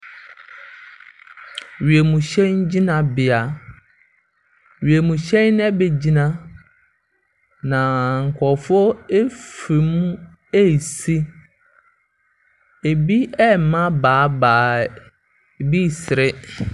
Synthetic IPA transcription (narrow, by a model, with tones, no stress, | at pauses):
ɥi˨e˨mũ˨ɕɛ̃˦n˦d͡ʑi˦nã˨bɪ˨a˨ | ɥi˨e˨mũ˨ɕɛ̃˦nn˦ɛ˦be˨d͡ʑi˦nã˦ | nã˨ŋ̩˨kʰɔ˨fɔ˦e˦fi˨mũ˦ | e˦˨si˦ | e˨bi˦ɛ˦m̩˨mã˦baː˨˦baː˨˦˨ | bi˦˨sɪ˨ɾɪ˦